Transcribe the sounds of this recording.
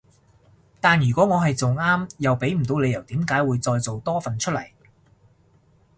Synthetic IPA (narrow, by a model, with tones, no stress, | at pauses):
t̪aː˨njɥyː˨˩kʷɔː˨˥ŋɔː˨˧ɦɐ˨jt͡sʊ˨˩ŋaː˥mjɐ˨wpe˨˥jm̩˨˩t̪o˨˧wle˨˧jɐ˨˩wt̪iː˨˥mkaː˨˥jwuː˨˧jt͡sɔː˧jt͡so˨wt̪ɔː˥fɐ˨nt͡ʃʰɵ˥t̚lɐ̰˨˩j